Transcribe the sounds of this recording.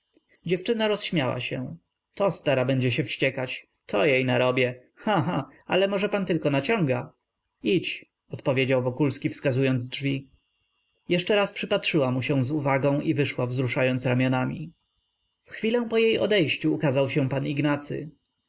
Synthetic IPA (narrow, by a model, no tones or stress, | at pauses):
d͡ʑɛft͡ʂɘnaɾɔsɕmʲjawa̰ɕɛ̰̃ | t̪ɔst̪aɾabɛɲd͡ʑɛɕɛfɕt͡ɕɛkat͡ɕ | t̪ʰɔjejnaɾɔbʲjɛ | xaɦaalɛmɔʐɛpant̪ɘlkɔnat͡ɕɔ̃ŋɡa | it͡ɕ | ɔt̪pɔvʲjed͡ʑawvɔkulskʲifskazujɔnd̪zdʐvʲi | jɛʂt͡ʂɛɾaspʂɘpatʂɘwamuɕɛ̃w̃zuvaɡɔ̃ʔivɘʂwavzɾuʂajɔnt̪sɾamʲjɔnamʲḭ | fxfʲilɛ̃w̃pɔjejɔ̰d̪ɛjɕt͡ɕuːkazawɕɛ̃paniɡnat̪sɘ̰